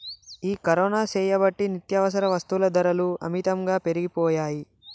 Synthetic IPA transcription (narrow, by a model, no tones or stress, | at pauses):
iːkɐɾɔːnaːt͡ʃɛːjɐbɐʈːinit̪jɐʋɐs̬ɐɾɐʋɐst̪ulɐd̪ɐɾɐluɐ̰mit̪ɐmɡaːpe̞ɾiɡipɔːjaːji